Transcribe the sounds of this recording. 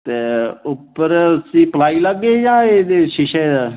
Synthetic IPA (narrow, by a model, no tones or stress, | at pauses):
t̪eːʊpːəɾəsĩːpəlaːiːləɡeːjãːeːd̪eːʃɪʃaed̪aː